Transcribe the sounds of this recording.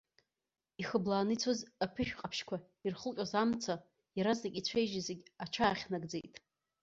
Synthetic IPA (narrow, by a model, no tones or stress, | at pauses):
iχəblaːnɨit͡sʰozapʰɨʃᶣqʼapʰʃkʷʰa | irχəlqʲʼazamt͡sʰa | jaɾaznakʲʼit͡ɕʷʰejʒizeɡʲat͡ʃʰaːχʲnaɡd͡zḛjtʼ